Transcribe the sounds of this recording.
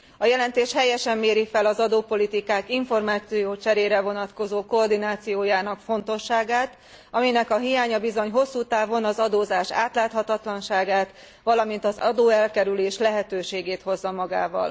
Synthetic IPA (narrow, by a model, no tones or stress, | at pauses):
ɒjɛlɛnt̪eːʃhɛjɛʃɛmːeːɾifɛlɒzɒd̪oːpo̞lit̪ikaːkiɱfo̞rmaːt̪sijoːt͡ʃɛɾeːɾɛvo̞nɒt̪ko̞zoːko̞ːrd̪inaːt̪sijoːjaːnɒkfo̞nt̪o̞ʃːaːɡaːt̪ | ɒminɛkɒɦijaːɲɒbizo̞ɲɦo̞sːuːt̪aːvo̞nɒzɒd̪oːzaːʃa̰ːt̪laːt̪hɒt̪ɒt̪lɒnʃaːɡaːt̪ | ʋɒlɒmin̪t̪ɒzɒ̰d̪oːɛlkɛɾyleːʃlɛɦɛt̪øːʃeːɡeːt̪ho̞zːɒmɒɡa̰ːvɒ̰l